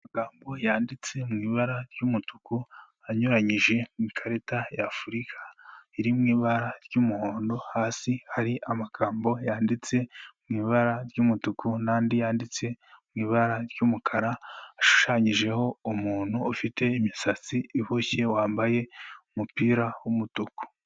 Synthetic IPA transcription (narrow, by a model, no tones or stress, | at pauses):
ammaɡaːmbo̞jaːndit͡se̞mŋiːβaɾaɾjumutuku | aɲoɾaɲiʒe̞mikʰaɾetajafuɾikʰaiɾimŋiːβaɾaɾjumuhoːndo̞haːsihaɾiʔamaɡ̥aːmbo̞jaːndit͡se̞mŋiːβaɾaɾjumutukʰunaːndijaːndit͡se̞mŋiːβaɾaɾjumukʰaɾaːʃu̥ʃaɲiʒe̞ho̞umuːn̥huːfite̞imisat͡siihoçe̞waːmbaje̞umupiːɾawumutuku̥